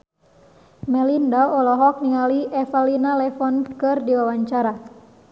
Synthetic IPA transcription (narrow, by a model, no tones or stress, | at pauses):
mɛlindaɔlɔɦɔk̚niŋaliɛfalinalɛfɔnkɨrdiwawaɲt͡ʃaɾa